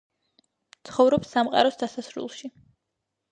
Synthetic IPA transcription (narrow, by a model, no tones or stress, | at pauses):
t̪sʰχɔvɾɔpsːamqʼa̰ɾɔsd̪asasɾṵlˠʃi